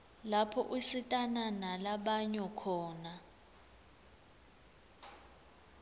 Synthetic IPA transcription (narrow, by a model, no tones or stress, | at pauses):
lapʰɔ̰ʔuɬitʼananalaɓaɲɔkʰɔːna